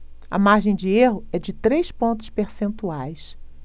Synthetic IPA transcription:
ɐ̰maɾʒẽj̃d͡ʒɪeɦʊɛd͡ʒɪt̪ɾejspõnt̪ʊ̥speɾsẽnt̪uajs

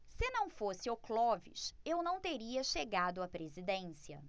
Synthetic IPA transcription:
sɪnɐ̃w̃fosɪoklɔvḭʃewnɐ̃w̃t̪eɾiɐʃeɡad̪ʊɐapɾezid̪ẽsiɐ̰

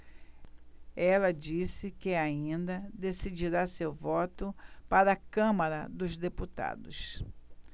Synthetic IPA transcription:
ɛlɐd͡ʒisɪkɪaĩnd̪ɐd̪esid͡ʒiɾasewvɔt̪ʊpaɾɐːkɐ̃mɐɾɐd̪ʊzd̪eput̪a̰d̪ʊs

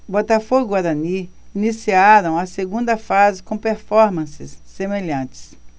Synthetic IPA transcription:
bɔt̪afoɡʊaɾɐni | inisiaɾɐ̃w̃ɐseɡũnd̪ɐfazɪkõpeɾfɔɾmɐ̃sɪsːemeʎɐ̃nt͡ʃɪ̥s

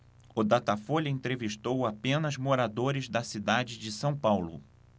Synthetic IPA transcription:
ʊd̪at̪afoʎɐẽnt̪ɾeviʃt̪owapẽnɐzmoɾad̪oɾɪzd̪ɐsid̪ad͡ʒɪd͡ʒɪsɐ̃w̃pawlʊ̰

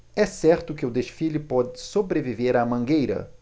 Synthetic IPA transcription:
ɛsɛɾt̪ʊkɪʊd̪eʃfilɪpɔd͡ʒɪsobɾeviveɾɐmɐ̃ŋɡejɾɐ̰

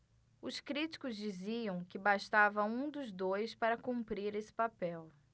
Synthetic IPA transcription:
ʊskɾit͡ʃi̥kʊzd͡ʒiziɐ̃w̃kɪbaʃt̪avɐũd̪ʊzd̪ojspaɾɐkũmpɾiɾesɪ̥papɛw

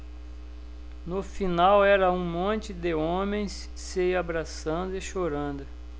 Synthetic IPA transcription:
nʊfinawɛɾɐũmõnt͡ʃɪd̪ɪõmẽj̃s | sɪabɾasɐ̃nd̪ʊɪʃoɾɐ̃nd̪ʊ

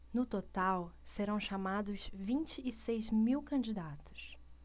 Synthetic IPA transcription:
nʊt̪ot̪awseɾɐ̃w̃ʃamad̪ʊzvĩnt͡ʃɪːsejzmiwkɐ̃nd͡ʒid̪at̪ʊ̥s

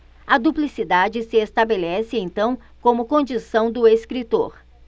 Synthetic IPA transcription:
ɐd̪uplisid̪ad͡ʒɪsɪest̪abelɛsɪẽj̪̃t̪ɐ̃w̃ | kõmʊkõd͡ʒisɐ̃w̃d̪ʊeskɾit̪o̰ɾ

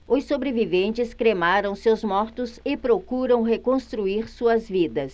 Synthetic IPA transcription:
ʊsobɾevivẽnt͡ʃɪskɾemaɾɐ̃w̃sewzmɔɾt̪ʊzɪpɾokuɾɐ̃w̃ɦekõst̪ɾuiɾsuɐzvid̪ɐs

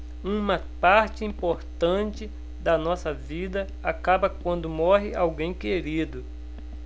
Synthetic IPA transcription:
ũmɐpaɾt͡ʃɪĩpoɾt̪ɐ̃t͡ʃɪ | d̪ɐnɔsɐvid̪ɐ | akabɐkwɐ̃nd̪ʊmɔɦɪʔawɡẽj̃keɾid̪ʊ

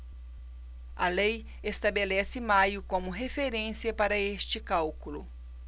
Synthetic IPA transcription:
ɐlej | est̪abelɛsɪmajʊkõmʊɦefeɾẽsiɐpaɾɐest͡ʃɪkawkulʊ

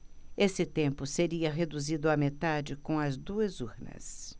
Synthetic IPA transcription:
esɪt̪ẽmpʊseɾiɐɦed̪uzid̪ʊamet̪ad͡ʒɪkõw̃ɐzd̪uɐzuɾnɐ̰s

